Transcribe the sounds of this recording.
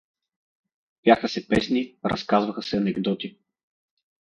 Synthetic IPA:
b̥ʲjaxəsɛpɛsniɾɐ̰skazvəxəsɛɐnɛɡd̪ɔt̪i

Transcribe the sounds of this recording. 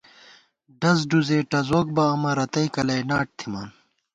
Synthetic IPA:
ɖɐz̬ɖuzeːʈɐzoːk̚bɐɐmɐɾɐt̪ɐikɐlɐjnaːʈ̚t̪ʰimaːn

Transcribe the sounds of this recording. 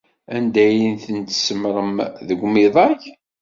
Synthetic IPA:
ænd̪æjinθənt̪səmɾˤəmðəɡʷmiðˤɑç

